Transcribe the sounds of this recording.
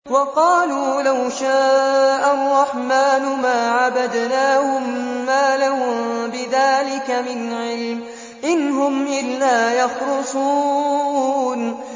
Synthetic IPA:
wɑqɑːluːlawʃaːʔarˤːɑħmaːnʊmaːʕabad̪naːhʊmːaːlahʊmbɪðaːlɪkamɪnʕɪlm | ʔɪnɦʊmʔɪlːaːjɑxɾʊsˤuː | n

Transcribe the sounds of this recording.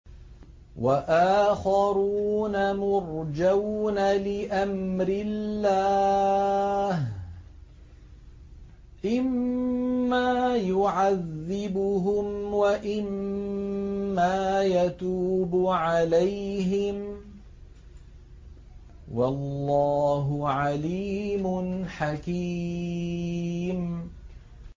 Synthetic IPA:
waʔaːxɑɾuːnamʊɾd͡ʒawnalɪʔamɾɪllːaː | h | ʔɪmː | aːjʊʕaðːɪbʊɦʊmwaʔɪm | aːjat̪uːbʊʕalajɦɪm | walːɑːɦʊʕaliːmʊnħakiː | m

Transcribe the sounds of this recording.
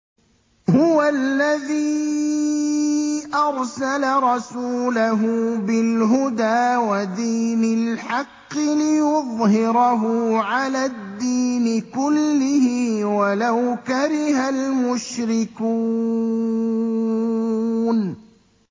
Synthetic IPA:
hʊwalːaðiː | ʔɑɾˤsalaɾˤɑsuːlaɦʊbɪlɦʊd̪aːwad̪iːnɪlħɑqːɪlɪjʊðˤhɪɾɑɦʊʕalad̪ːiːnɪkʊlːɪhɪːwalawkaɾɪhalmʊʃɾɪkuː | n

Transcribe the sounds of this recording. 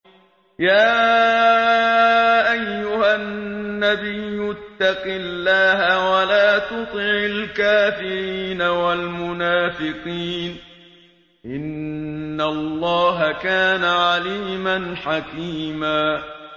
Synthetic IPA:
jaː | ʔajːʊhanːabɪjːʊt̪ːɑqɪlːaːɦawalaːt̪ʊt̪ˤɪʕɪlkaːfɪɾiːnawalmʊnaːfɪqiːn | ʔɪnːalˤːɑːɦakaːnaʕaliːmanħakiːmaː

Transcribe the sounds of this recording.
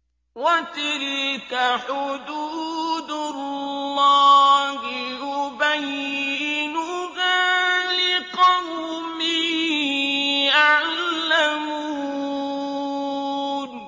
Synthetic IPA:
wat̪ɪɾikaħʊd̪uːd̪ʊlˤːɑːlɪʔʊbajɪnʊɣaːlɪqɑw | mi | ʔaʕlːamu | n

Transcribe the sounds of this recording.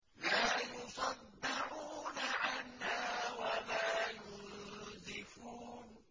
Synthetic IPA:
laːjʊsˤɑd̪ːɪɾuːnaʕanːaːwalaːjʊnzɪfuːn

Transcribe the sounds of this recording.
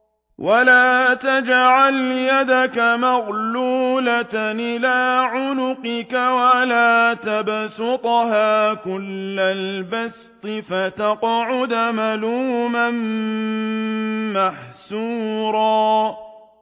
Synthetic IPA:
wʔalaːt̪ad͡ʒʕaljad̪akamaɣluːlaʔɪlaːʕʊnʊqɪkawalaːt̪absʊt̪ˤɦaːkʊlːalbast̪ˤɨfat̪ɑqʕʊd̪maluːman | maħsuːɾˤɑː

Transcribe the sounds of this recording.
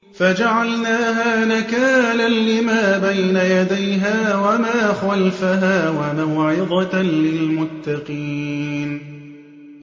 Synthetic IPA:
fad͡ʒaʕalnaːɦaːnakaːnanːɪmaːbajnajad̪ajɦaːwamaːxalfaɦaːwamawʕɪd̪ˤɑlɪlmʊt̪ːɑqiːn

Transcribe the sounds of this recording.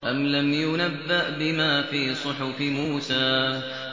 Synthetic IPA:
ʔamlamjʊnabːaʔbɪmaːfiːsˤʊħʊfɪmuːsaː

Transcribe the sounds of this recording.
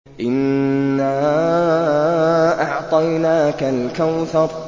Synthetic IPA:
ʔɪnːaː | ʔɑʕt̪ˤɑjnaːkalkawθɑɾˤ

